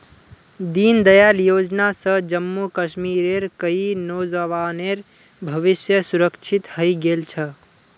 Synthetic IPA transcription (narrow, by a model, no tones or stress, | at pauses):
d̪ind̪əjaljod͡ʒnasə̃d͡ʒəmːukəʃmiɾeɾkəinod͡ʒəʋaneɾ | bʱəʋisjəsuɾəkt͡ʃʰit̪həjɡelt͡ʃʰə